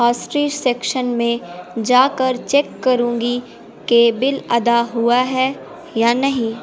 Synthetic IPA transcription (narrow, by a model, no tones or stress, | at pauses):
aːsʈɾiːd͡ʒsɛːkʃənmẽd͡ʒaːkəɾt͡ʃeːkːɐɾũːɡi | kebɪlɐd̪aɦuaɦɛ | jaːnɐɦĩː